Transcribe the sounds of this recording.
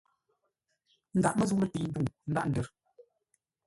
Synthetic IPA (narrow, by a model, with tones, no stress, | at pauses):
n̩˦da̰˨ʔmə˦zu˦ŋlə˦˨ti˨n̩˦du˦˨ŋn̩˦da˦˨ʔn̩˨də˨ɾ